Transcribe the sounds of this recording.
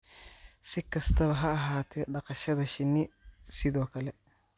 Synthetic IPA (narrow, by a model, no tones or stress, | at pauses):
sɪkʰɐst̪ʰɐβɐɦɐɐɦaːt̪ʰɛɖɐqɑʃɐðɐʃɪnːɪsɪðɔːkʰɐlɛ